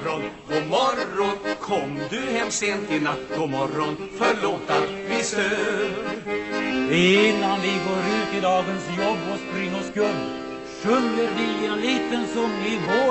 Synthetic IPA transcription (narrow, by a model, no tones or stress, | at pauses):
ɔn | ɔmɔɾɔnkʰɔmːd̪ɵhɛmseːnt̪ɪlat̪kʊmɔɾɔnfœɭoːt̪avɪst̪øː | ɪnːanvɪɡoːɾʉ̟ːt̪ɪd̪ɑːɡənsjɔbːɔspɾɪŋːɔskɵlː | ɕɵndəɾvɪɛliːt̪ənsɔmɪɦoː